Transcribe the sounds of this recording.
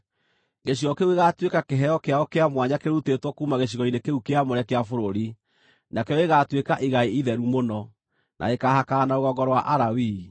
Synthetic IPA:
ɣeɕ̬iɣɔkeueɣatwekakeɦɛjɔkeaɔkeamwaɲakeɾutetwɔkuːmaɣeɕ̬iɣɔinekeukeamoɾɛkeafoɾoɾi | nakɛɔeɣatwekaʔiɣaeiðɛɾumonɔ | nʔa̰ekahakaːnaoɣɔɡɔɾɔwaʔaɾawi

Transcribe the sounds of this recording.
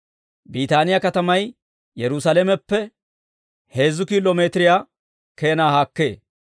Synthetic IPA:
biːt̪aːnɪjakɐt̪ɐmɐj | jɛɾʊsɐlemɛpːɛ | he̞ːzːʊkiːlomeːt̪ɪɾɪjaː | ke̞ːnaːhaːkːe̞̰ː

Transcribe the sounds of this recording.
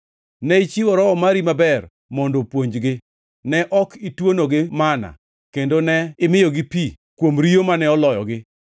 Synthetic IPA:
nɛit͡ʃiwɔɾɔɔmaɾimabɛr | mɔndopwoɲd͡ʒɡɪ | nɛʔɔkitwonoɡɪmana̰ | kendonɛɪmɪjoɡɪpi | kwomɾijomanɛɔlɔjɔ̰ɡɪ

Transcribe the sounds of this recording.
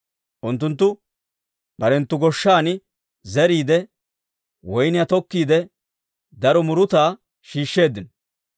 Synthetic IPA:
ʔʊnt̪ːʊnt̪ːʊ | b̥ɐɾɛnt̪ːʊɡɔʃːaːnɪ | zɛɾiːd̪ɛ | wɔjnɪjat̪ɔkːiːd̪ɛ | d̪ɐɾɔmʊɾʊt̪aː | ʃiːʃːe̞ːd̪ːɪnɔ

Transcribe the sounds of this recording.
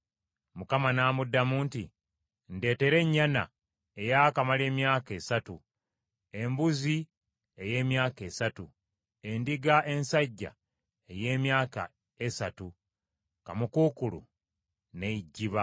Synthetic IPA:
mukamanaːmudːamuːnti | nde̞ːte̞ɾe̞ɲːana̰ | e̞jakamale̞ːmjaːke̞ːsatu | e̞mbuzi | e̞je̞ːmjaːke̞ːsatu | e̞ndiɡaʔe̞nsaɟːa̰ | e̞je̞ːmjaːka̰ | e̞satu | ka̰mukuːkulṵ | ne̞iɟːiβa

